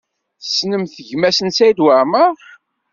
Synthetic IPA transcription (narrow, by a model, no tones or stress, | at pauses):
θə̥snəmθəʝmæsənsæjd̪waʕməˤ